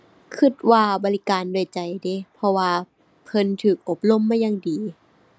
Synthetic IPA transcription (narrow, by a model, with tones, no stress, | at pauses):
kʰɯ˧˩t̪̚waː˧bɔː˨li˧kaː˨ndu˧˩˨jt͡ɕa˨˩jde˧˦pʰɔ˧waː˧ | pʰɤ˧˥˨nt̪ʰɯː˨˩k̚ʔo˧˩p̚lo˧˨mːaː˧˥˨jaː˧˨ŋdiː˨˩